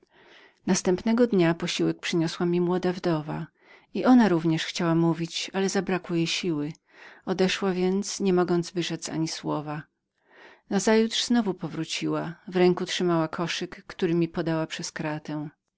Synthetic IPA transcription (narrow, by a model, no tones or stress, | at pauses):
nast̪ɛmpnɛɡɔd̪ɲapɔɕiwɛk̚pʂɘɲɔswamʲimwɔd̪avd̪ɔva̰ | iʔɔnaɾuvɲɛʂxt͡ɕawamuvʲit͡ɕalɛzabɾakwɪjejɕiwɘ | ɔd̪ɛʂwavʲjɛnt̪sɲɛmɔɡɔnd̪zvɘʂɛt̪sa̰ɲiswɔva | nazajut̪ʂz̥nɔvupɔvɾut͡ɕiwavɾɛŋkutʂɘmawakʰɔʂɘkːt̪uɾɘmʲipɔd̪awapʂɛskɾat̪ɛw̃